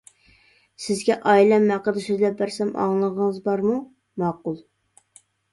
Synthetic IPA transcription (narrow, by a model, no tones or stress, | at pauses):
sɪzɡʲɛʔɑjlɛmːæqəd̪ɨsøzlɛp̚bæɾsɛmʔɑ̰ŋlˠəʁəŋəzbɑɾmu | mɑqʊlˠ